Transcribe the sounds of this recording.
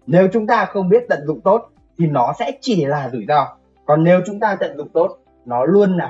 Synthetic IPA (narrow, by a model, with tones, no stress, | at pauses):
ne˨˦wt͡ɕʊ˨˦ŋ͡mt̪aː˧xə˧wŋ͡mɓi˦˥ət̚t̪ə̰˧˨nzʊ̰˧˨ŋ͡mt̪o˦˥t̚ | t̪ʰi˨˩nɔ˨˦sɛ̰˧˥t͡ɕi˧˩laː˨˩zɨ˧˩jzɔ˧ | kɔ˨˩nːe˨˦wt͡ɕʊ˨˦ŋ͡mt̪aː˧t̪ə̰˧˨nzʊ̰˧˨ŋ͡mt̪o˦˥t̚ | nɔ˨˦lu˧ənlaː˨˩